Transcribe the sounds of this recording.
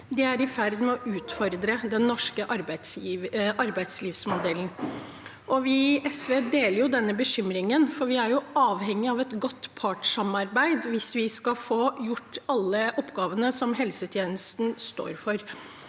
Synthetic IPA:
d̪ɛæɾɪfæɾd̪mɛɔʔʉːt̪fɔɾd̪ɾəd̪ɛnːɔʂkəʔɑɾbæɪsʔɑɾbæɪd̪sliːfsmʊd̪ɛlːən̩ | ʔɔʋɪʔɛsʋeːd̪eːləɾjʊd̪ɛnːəbəɕʏmɾɪŋənfɔɾʋɪæɾjʊʔɑːʋhɛŋːɪɑʋɛt̪ɡɔt̪ːpʰɑːʈʂɑmɑɾbæɪd̪ʋɪsʋɪskɑfoːjʊʈːɑlːəʔɔpːɡɑːʋənəsɔmɦɛlsət̪ʰjeːnəst̪n̩st̪o̰ːɾfɔɾ

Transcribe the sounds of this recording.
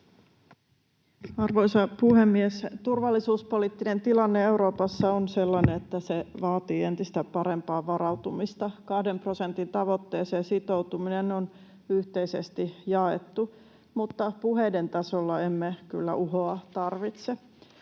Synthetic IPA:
ɑrʋo̞isɑpuhe̞mːiest̪urʋɑlːisuːspo̞liːt̪ːine̞nt̪ilɑnːee̞uwɾo̞ːpɑsːɑonselːɑneet̪ːæseʋɑːt̪iːe̞nt̪ist̪æpɑɾe̞mpɑːʋɑɾɑut̪umist̪ɑkɑhde̞mpro̞se̞nt̪int̪ɑʋo̞t̪ːeːseːsit̪o̞wt̪uminenon | yht̪eisḛst̪ijɑḛt̪ːu | mut̪ːɑpuɦeident̪ɑsolːɑe̞mːekylːæ̰ʔuɦoːt̪ɑrʋit̪se

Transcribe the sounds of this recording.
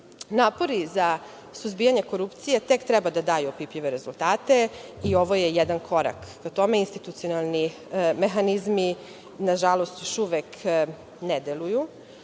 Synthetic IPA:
naːpo̞ɾiza | suzbijaɲe̞ko̞ɾupt̪sije̞t̪e̞kt̪ɾɛbad̪ad̪aːjuopipʎiʋeɾe̞zulˠt̪aːt̪e̞io̞ʋo̞jejɛd̪ankʰo̞ɾa̰kːat̪o̞meinst̪it̪ut̪sionalˠni | mexanizmi | naʒalo̞st̪joʃuʋek | ned̪eluju

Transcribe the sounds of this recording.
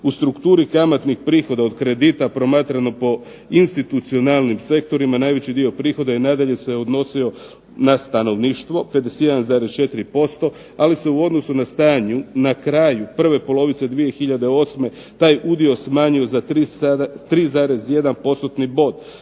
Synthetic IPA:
ust̪ɾukt̪uːɾikamat̪nixpɾiːxo̞d̪ao̞d̪kɾe̞d̪iːt̪apɾo̞maːt̪ɾano̞po̞ | inst̪it̪ut̪sio̞nalˠnimse̞k̚t̪o̞ɾimanaːjʋe̞t͡ɕid̪io̞pɾiːxo̞d̪ainad̪aʎe̞se̞o̞d̪no̞sio̞ | nast̪ano̞ʋniːʃt̪ʋo̞pe̞d̪esje̞d̪anzaːɾest͡ʃe̞t̪iɾipo̞st̪o̞ | alise̞uo̞d̪no̞sunast̪aːɲunakɾaːjupr̩ʋe̞po̞lˠo̞ʋit̪se̞d̪ʋije̞xiʎad̪e̞o̞ːsme̞ | t̪aːjud̪io̞smaːɲio̞zat̪ɾit̪ɾiːzaːɾe̞sje̞d̪anpo̞st̪ot̪nibo̞d̪

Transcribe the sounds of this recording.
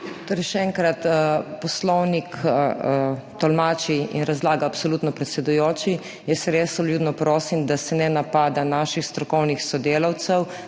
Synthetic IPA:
t̪oːɾɛjʃɛɛŋkɾat̪pɔslɔwnik | t̪ɔlmaːt͡ʃiḭnɾazlaːɡaːpsoluːt̪nɔpɾɛt̪sɛd̪ujoːt͡ʃi | jɛsɾesɔljuːd̪nɔpɾoːsimd̪asɛnɛnapaːd̪anaːʃixst̪ɾɔkɔwnixsɔd̪eːlawt̪sɛw

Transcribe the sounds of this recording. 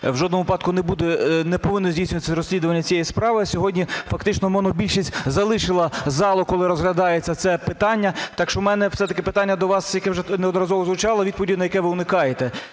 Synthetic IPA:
wʒɔd̪nɔmʊʋɪpɑd̪kʊnebud̪ɛnɛpɔʋɪnːɔzʲdʲijsʲnʲʊʋɐt̪ɪsɾɔsʲlʲid̪ʊʋɐnʲːɐt͡sʲijɛjispɾɑʋɪɐsʲɔɦɔdʲnʲifɐkt̪ɪt͡ʃnɔmɔnɔbʲilʲʃisʲtʲzɐlˠɪʃɪlˠɐzɑlˠɔkɔlˠɪɾɔzɦlʲɐd̪ɑjet͡sʲːɐt̪sɛpɪt̪ɑnʲːɐt̪ɑkʃt͡ʃɔmɛnɛfsɛt̪ɐkɪpɪt̪ɑnʲːɐd̪ɔʋɑsjɐkɛwʒɛnɛɔd̪nɔɾɐzɔʋɔzlˠʊt͡ʃɑlˠɐʋʲid̪̚pɔʋʲdʲinɐjɐkɛʋɪʊnɪkɑjet̪ɛ

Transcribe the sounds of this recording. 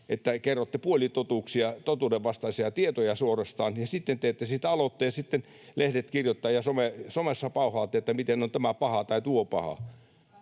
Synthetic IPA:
et̪ːækerːot̪ːepuolit̪ot̪uːksiɑt̪ot̪uːdeʋʋɑst̪ɑisiɑt̪iet̪ojɑsuorest̪ɑːnjɑsit̪ːent̪eːt̪ːesit̪æɑlot̪ːejɑsit̪ːen | lehdet̪kirjot̪ːɑːjɑsomesomesːɑpɑuhɑːt̪ːˑeet̪ːæmit̪enːont̪æmæpɑhɑt̪ɑit̪uopɑhɑ̰

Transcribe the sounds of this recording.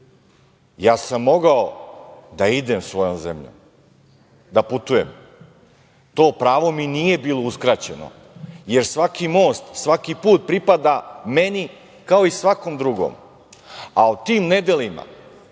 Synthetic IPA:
jaːsamːo̞ɡaod̪aid̪emsʋo̞jomzḛmʎṵm | d̪aput̪ujem | t̪o̞ːpɾaːʋo̞minije̞biːlˠouskɾat͡ɕe̞no̰ | je̞ɾsʋakimo̞ːst̪sʋakipuːt̪̚pɾipad̪ame̞ni | kao̞isʋako̞md̪ɾuɡo̰ːm | aut̪iːmned̪elima̰

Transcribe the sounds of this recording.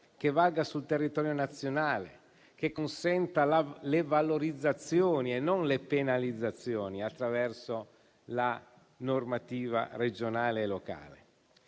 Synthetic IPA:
k̟evːaɡasult̪erːit̪ɔːɾjonat̪sːjonaːle | kekːonsɛnt̪alalevaloɾid̪zːat̪sjoːnienːonlepenalid̪zːat̪sːjoːniat̪ːɾavɛrso | la | normat̪iːva̰red͡ʒonaːleːloka̰ːle

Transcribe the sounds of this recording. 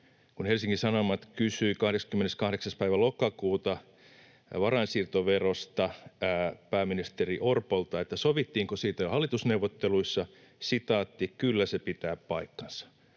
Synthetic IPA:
kunhelsiŋkisɑnomɑt̪kysyikɑhɾekskymːeneskɑhɾeksɑspæiʋælokɑkuːt̪ɑ | ʋɑrɑinsiːrt̪oʋerost̪ɑ | pæːminist̪eriʔorpolt̪ɑet̪ːæsoʋit̪ːiːŋkosiːt̪æhɑlːit̪usneuʋːˑot̪ːeluisːɑ | sit̪ɑːt̪ːikkylːæsepit̪æːppɑikːɑnsɑ̥

